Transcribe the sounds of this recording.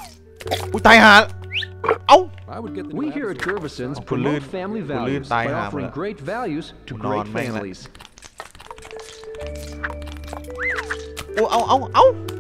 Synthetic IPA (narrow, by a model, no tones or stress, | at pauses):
ut̪ajhaː | ʔawaɪwəd̚ɡɛt̪̚wihiɹɨt̚ɡ̥ʰɜ˞vɨsɨ̃nzdfæ̃mlivɛlˠjzaɪɔə˞ɪ̃ŋɡɹeɪtvælˠjʉz̥tʰɨɡɹeɪfæ̃mlḭz̥ | uʔaʔaʔaw